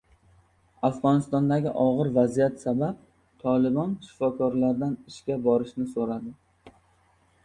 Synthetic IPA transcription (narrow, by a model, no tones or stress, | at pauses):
afʁɒnɪst̪ɒnd̪aɡʲɪʔɒʁɨɾvazijat̪sabap̚ | t̪ʰɒlˠɪbɒnʃɪ̥fɒkʰɒɾlaɾd̪anɪʃkʲabɒɾɪʃnɪsoɾad̪ɪ